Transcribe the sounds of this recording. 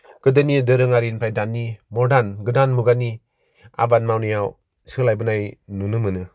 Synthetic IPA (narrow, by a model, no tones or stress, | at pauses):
ɡ̥ɯdɯnidɯɾɯŋaɾinpʰajdanːimɔɾdanɡɯdanmuɡanːi | a̰banmawnijaw | sɯlajbɯnajnunɯmɯnɯ